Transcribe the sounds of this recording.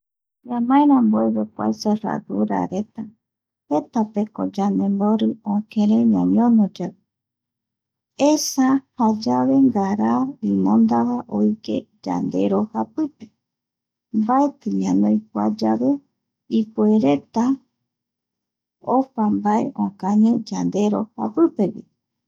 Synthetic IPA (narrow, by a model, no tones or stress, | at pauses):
ɲãmãẽɾãmboeβekwa̰jsoɾa̰d̪uɾa̰ɾe̞t̪a | het̪apeko̰d͡ʒand̪e̞mboɾɨõkʰẽɾeɲãɲõnod͡ʒaβe | esahad͡ʒaβe̞ŋɡaɾaoinõnd̪aβaʔojike̞̰ | d͡ʒa̰nd̪e̞ɾo̞hapɨpe̥ | mbaet̪ɨɲãnõjkʷa̰d͡ʒaβe̞ | ipueɾe̞t̪a | opambaḛʔõkãɲɨ̃d͡ʒand̪e̞ɾoha̰pɨpe̞wḭ